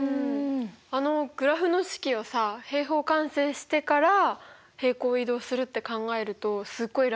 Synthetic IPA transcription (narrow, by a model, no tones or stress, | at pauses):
ɯ̃ | ano̞ɡ̥ɯ̟ɾaɸɯ̟no̞ɕi̥kʲiosahe̞ːɦo̞ːkãɰ̃se̞ːɕi̥t̪e̞kaɾa | he̞ːko̞ːid̪o̞ːsɨɾɯ̟t̪ːe̞kãŋɡae̞ɾɯ̟t̪o̞sɨɡːo̞iɾ